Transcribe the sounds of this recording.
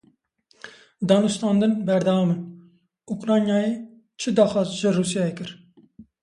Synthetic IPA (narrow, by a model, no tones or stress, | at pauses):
d̪ɑːnust̪ɑːnd̪ɨnbɛɾd̪ɑwɑmɨn | ukɾɑːnjɑːje | t͡ʃʰɨd̪ɑːxɑːzʒɪrusijɑjɛkɨɾ